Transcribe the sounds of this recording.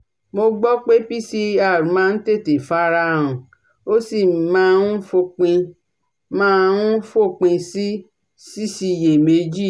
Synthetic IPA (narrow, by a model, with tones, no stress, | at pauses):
mo˧ɡ͡bɔ˦k͡pe˦pi˦si˦a˦˨ɾũ˨˦mã˨˧n̩˦te˦˨te˨fa˦ɾã˧˦ũ˧˨ | o˦si˦˨mãː˦˧nũ˦fo˧k͡pĩ˧ | mã˦ũ˦fo˦˨k͡pĩ˧si˦ | si˦si˧˨je˨me˧˦d͡ʒi˦˨